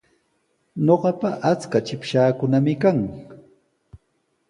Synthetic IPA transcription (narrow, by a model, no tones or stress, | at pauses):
ɲoɢɑpaʔat͡skat͡ʃɪpʃaːkʊnamɪkaŋ